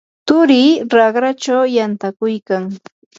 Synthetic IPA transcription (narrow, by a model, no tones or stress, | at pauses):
t̪ʊɾiːɾɑɢɾat͡ʃawjant̪akʊjkaŋ